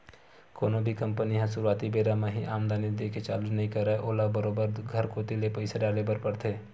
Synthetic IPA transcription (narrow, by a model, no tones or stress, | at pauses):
koːnõbʱikɐ̃mpəniɦãsʊɾuaːt̪ibeːɾamẽɦiʔaːmd̪ʱaːnid̪eːket͡ʃaːlud͡ʒnɐɦĩkɐɾːaeʔoːlabəɾoːbəɾɡʱɐɾkoːt̪ilepɐɪsaɖaːlebəɾpɐɾt̪ʰeː